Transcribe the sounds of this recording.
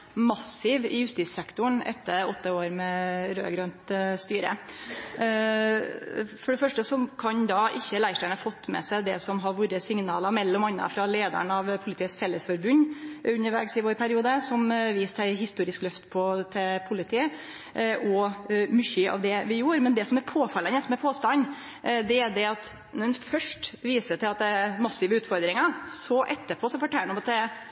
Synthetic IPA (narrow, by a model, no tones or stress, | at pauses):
mɑsɪʋɪjʉst̪iːsɛkt̪ʊɳɛ̰t̪ːəɔt̪ːəoːɾmɛɾø̰ːɡɾɑnt̪st̪yːɾə̰ | fɔɖɛfœʂʈəsɔkʰɑnd̪ɑʔɪçːəlæɪʂʈæɪnɑfɔt̪ːmɛ̰sæɪd̪ɛsɔmɦɑɾʋuɾəsɪŋnɑ̰ːlɑmɛlːɔmɑnːɑ̰fɾɑleːd̪ə̰ɳɑʋpʰʊlɪt̪iːəsfɛlːəsfɔɾbʉnːʉnːəɾʋɛːɡsɪʋoːɾpʰæɾɪuːd̪əsɔmʋiːssæɪɦɪst̪uːɾɪsklœft̪pʰɔt̪ʰɪlpʰʊlɪt̪ʰiːə | ʔɔmʏçəʔɑ̰ʋd̪ɛʋɪjuːɾmɛnd̪ɛsɔmɛɾpʰoːfɑlːənəsɔmɛɾpʰoːst̪ɑn | d̪ɛæd̪ɛɑt̪ | nɔnfœʂʈʋiːsəʈ̪ʰɪlɑt̪d̪ɛmɑsːɪʋəʉːt̪fɔɾd̪ɾɪŋɑsɔʔɛt̪ːəpʰɔsɔfɔʈʰɛlːəɳɔmɑt̪̚d̪ɛ